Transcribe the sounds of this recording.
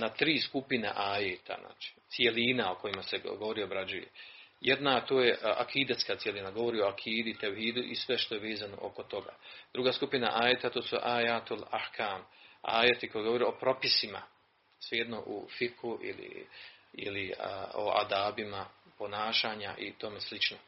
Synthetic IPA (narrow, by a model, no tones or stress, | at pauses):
nat̪ɾiːskupinḛʔaːjet̪ʰa̰na̰ːt͡ʃi̥t̪sie̞linaoko̞jimase̞ɡoʋo̞ɾio̞bɾad͡ʒujḛjed̪nat̪oːje̞a̰kʰiːd̪at̪skat̪sjelinaɡoʋo̞ɾio̞akʰiːd̪ut̪ewhiːd̪uʔisʋe̞ʃt̪o̞jeʋeːzano̞̰ʔoko̞t̪o̞ɡa̰d̪̥ɾuːɡaːskupina̰ʔaːjet̪at̪oːsuʔaːjaːt̪ula̰ħkʰaːma̰ːjet̪iko̞jeɡo̞ʋo̞ɾeo̞pɾo̞pisima̰ | sʋejed̪no̞ʔṵfiqhuʔḭlḭ | ḭlio̰a̰d̪aːbimapo̞naːʃaːɲa̰ʔḭt̪o̞meslit͡ʃno